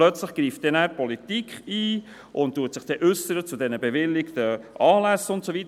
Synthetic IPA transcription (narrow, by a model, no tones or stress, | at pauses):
lœt͡sləχɡ̥ɾiːftd̥̪ɛnæːpʰɔlit̪ikχiː | ʔʊnttːuːətsɪχd̪̥ɛʔʏsəɾət͡sudɛnəbɛvɪlːɪkt̪əʔɑːlæsʊntsovit